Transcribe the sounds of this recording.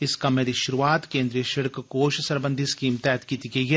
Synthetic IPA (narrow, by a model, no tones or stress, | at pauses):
ɪskɐmeːd̪iʃʊɾuʋaːt̪kẽːnd̪ɾijəʃɪɽkkoːʃsɐɾbə̃nd̪ʱiskiːmt̪ɛːt̪kiːt̪ikeɦɛ